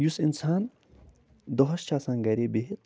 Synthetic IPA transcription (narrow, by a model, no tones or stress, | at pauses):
jusinsaːn | d̪ɔɦɐʃt͡ʃaːsãːnɡɐɾebeɦit̪